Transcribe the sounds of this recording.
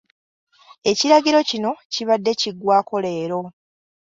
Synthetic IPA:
e̞ciɾaɡiɾo̞cino̞ciβadːe̞ciɡwaːko̞le̞ːɾo̞

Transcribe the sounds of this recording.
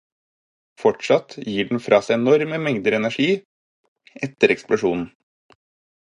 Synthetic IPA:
fɔʈʂɑt̪jiːɖɳ̩fɾʔɑːsæɪɛnɔɾməmɛŋd̪əɾɛnæʂiː | ɛt̪əɾɛksplʊʂuːnn̩

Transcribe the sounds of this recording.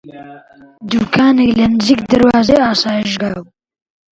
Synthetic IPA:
d̪uːkʰaːnɛklɐnɨzikd̪ɐɾwaːzeaːsaːjiʒɡaːb

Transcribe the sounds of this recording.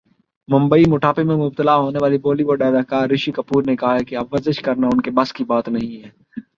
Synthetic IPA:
mʊ̃mbəimʊʈʰaːpemẽmʊb̚t̪əlaɦoːneʋaːliboːliʋoːɖaːd̪akaːɾːɪʃikɐpuːɾnekɐɦaɦɛkeɐbʋɐzəʃkɐɾnaʊnkebɐskibaːt̪nɐɦĩɦɛː

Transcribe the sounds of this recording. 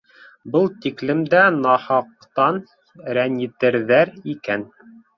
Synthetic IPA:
bɤlˠt̪iklɘ̆md̪ænɑhɑq̚ | t̪ɑn | ɾænjɘt̪ɘ̆ɾðæɾikæn

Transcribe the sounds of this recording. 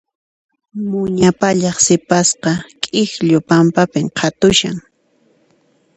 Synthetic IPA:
mʊɲapaʎɑχsɪpasqɑkʼɪxʎʊpampapɪmqʰɑt̪ʊʃa̰ŋ

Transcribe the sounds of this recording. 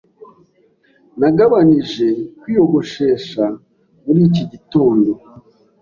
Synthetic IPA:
naɡaβaniʒe̞kwiːjo̞ɡo̞ʃe̞ːʃa | muɾiːciɟito̞ːndo̞

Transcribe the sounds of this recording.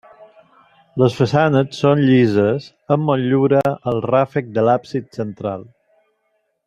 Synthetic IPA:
ləsfəsanəsonʎizəz | əmːoʎuɾəəlˠrafək̚d̪əlapsit̪sənt̪ɾa̰lˠ

